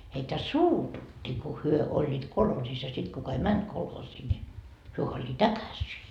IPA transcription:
heitæ suːtutːi ku hyø olʲːiːt kolhoːsis jɑ sit kukɑ ei mænt kolhoːsiː ni hyø olʲːiːt ækæsiː

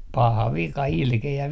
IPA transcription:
pɑhɑ ʋikɑ ilkeæ

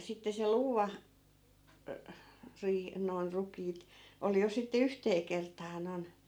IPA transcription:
sitːe se luːʋɑ ø riːh noi̯n rukiːt ol jo sitːe yhteː kertɑː noi̯n

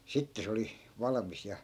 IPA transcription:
sitːe se oli ʋɑlɑ̆mis jɑ

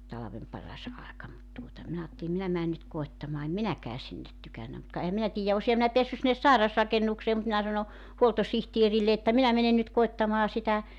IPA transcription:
tɑlɑʋem pɑrɑs ɑekɑ mut tuotɑ minæ ɑːtːeli minæ mæːn nyt koetːɑmɑː em minækæː sinːet tykænːæ mut kɑ ehæm minæ tiːjæ osihɑ minæ peæsːy sinːes sɑirɑsrɑkenːukseː mut minæ sɑno huoltosihtierilːe etːæ minæ menen nyt koetːɑmɑː sitæ

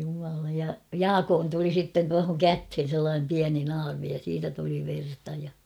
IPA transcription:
jumɑlɑ jɑ jɑːkoːn tuli sitːen tuɑhoŋ kæthen selːɑːnem piæni nɑːrmi jɑ siːtæ tuli ʋertɑ jɑ

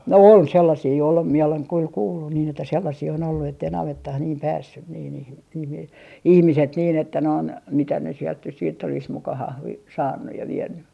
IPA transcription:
ol selːɑsiː ol mie oleŋ kyl kuːlːun niːn etːæ selːɑsiː on olːu etːei nɑʋetːɑh niːm pæːsːyn niː niːhi niːhi ihmiset niːn etːæ noin mitæ ne sielt nys siːtː olis mukɑ hɑhli sɑːnːuj jɑ ʋienːy

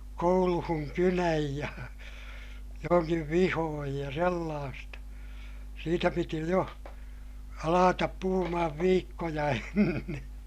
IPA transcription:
kouluhuŋ kynæj jɑ joŋkiʋ ʋihoːj jɑ selːɑːstɑ siːtæ piti jo ɑlɑːtɑp puhumɑhɑʋ ʋiːkːojɑ enːe

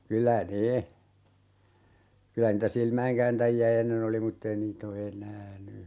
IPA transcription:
kylæ ne kylæ niːtæ silmæeŋkæːntæjiæ enːen oli mutː ei niːt o enæː ny

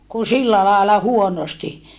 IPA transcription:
ku silːæ lɑːlɑ huonosti

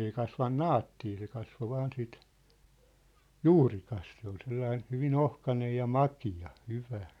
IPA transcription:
ei kɑsʋɑn nɑːtːiː se kɑsʋo ʋɑːn sit juːrikɑs se ol selːɑin̞ hyʋin ohkɑnej jɑ mɑkiɑ hyʋæ

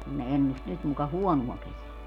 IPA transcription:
kun ne enːust nyt mukɑ huɔnuɔ keseæ

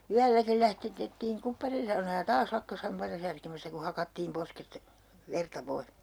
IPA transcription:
yælːækil læhtetetːiːŋ kupːɑrinsɑunɑː jɑ tɑːs lɑkːɑs hɑmpɑitɑ særkemæstæ ku hɑkɑtːiːm posket ʋertɑ pois

